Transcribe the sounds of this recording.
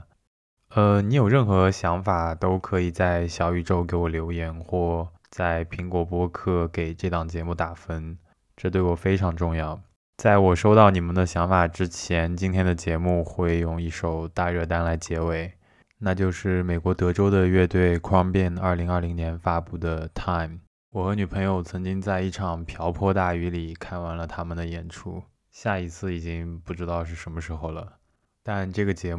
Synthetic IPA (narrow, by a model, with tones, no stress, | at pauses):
ə˧ni˧˥jo˨˩ʊɻə˥˩nxɤ˧˥ɕjɑ˧˥ŋfa˨˩t̪o˥ʊkʰɤ˧˥i˨˩t͡sa˥˩ɪɕjɑ˨˧˥ʊy˨˩ʈ͡ʂo˥ʊke˧˥ɪwɔ˨˩ljo˧˥ʊjɛ˧˥nxwɔ˥˩ | t͡sa˥˩ɪpʰi˧˥ŋkwɔ˧˥pwɔ˥kʰɤ˥˩ke˨˩ɪʈ͡ʂɤ˥˧˩t̪ɑ˨˩ŋt͡ɕjɛ˧˥mu˥˩t̪a˨˩fə˥n | ʈ͡ʂɤ˥˧t̪wɪwɔ˨˩fe˥ɪʈ͡ʂʰɑ˧˥ŋʈ͡ʂʊ˥˧ŋjɑ˥˩ʊ | t͡sa˥˩ɪwɔ˨˩ʂo˥ʊt̪ɑ˥˩ʊni˨˩mə˨˦nd̪ə˨ɕjɑ˧˥ŋfa˨˩ʈ͡ʂɻ̩˥t͡ɕʰjɛ˧˥nt͡ɕi˥nt̪ʰjɛ˥nd̪ə˨t͡ɕjɛ˧˥mu˥˧xwe˥˧ɪjʊ˥˧ŋi˥˩ʂo˨˩ʊt̪a˥˧ɻɤ˥˧t̪a˥nla˧˥ɪt͡ɕjɛ˧˥we˨˩˦ɪ | na˥˧t͡ɕjo˥˧ʊʂɻ̩˥˩me˨˩ɪkwɔ˧˥t̪ɤ˧˥ʈ͡ʂo˥ʊd̪ə˨ɥɛ˥˧t̪we˥˩ɪkʰwɑ˥ŋpjɛ˥˧˩nɐ˞˥˩li˧˥ŋɐ˞˥˩li˧˥ŋnjɛ˧˥nfa˥pu˥˩d̪ə˩t̪ʰa˥˩ɪm | wɔ˨˩xɤ˧˥ny˨˩pʰɤ˧˥ŋjo˧ʊt͡sʰɤ˧˥ŋt͡ɕi˥ŋt͡sa˥˧ɪi˥˩ʈ͡ʂʰɑ˨˩ŋpʰjɑ˧˥ʊpʰwɔ˥˧t̪a˥˩y˧˥li˨˩kʰa˥˩nwa˧˥nlə˧t̪ʰa˥mə˨nd̪ə˩jɛ˨˩nʈ͡ʂʰu˥˩ | ɕja˥˩i˧˥t͡sʰɹ̩˥˩i˨˩t͡ɕi˥ŋpu˥˩ʈ͡ʂɻ̩˥t̪ɑ˥˧ʊʂɻ̩˥˩ʂə˧˥nmə˧ʂɻ̩˧˥xo˧˩ʊlə˩ | t̪a˥˧nʈ͡ʂɤ˥˩ɡə˩t͡ɕjɛ˧˥